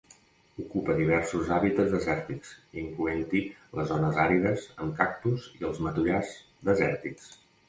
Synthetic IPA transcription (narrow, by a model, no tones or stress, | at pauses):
ukupəðiβ̞ɛɾsuzaβit̪əd͡zðəzɛɾt̪iksiŋkluent̪iləzɔnəzaɾiðəzəmkak̚t̪uzḭəlˠzmət̪uʎaz | d̪əzɛɾt̪iks